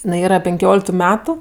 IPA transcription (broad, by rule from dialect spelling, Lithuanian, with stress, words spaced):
ɪˈnɐɪ ˈiːrɐ pʲɛŋʲˈkʲoːlʲɪktʊ ˈmʲæːtʊ